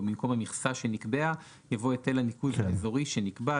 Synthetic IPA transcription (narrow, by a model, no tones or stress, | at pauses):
mimko̞mhamiχsaʃe̞nikbea | javo̞etelanikudhaezo̞ʁiʃenikba